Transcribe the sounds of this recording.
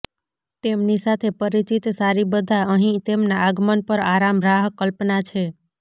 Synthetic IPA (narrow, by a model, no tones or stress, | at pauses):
t̪emnisat̪ʰepəɾit͡ʃit̪saɾibəd̪ʱaəɦĩt̪emnaaɡmənpəɾaɾamɾaɦkːəlpnat͡ʃʰe